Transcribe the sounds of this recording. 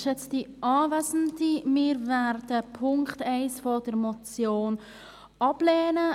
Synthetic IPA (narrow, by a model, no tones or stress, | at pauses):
ʃɛt͡sd̥iɑːvɛsən̩dimɪɾvɛɾdəpʰʊŋktɛɪsfɔdəɾmot͡sjoːn | ʔɑb̥leːnə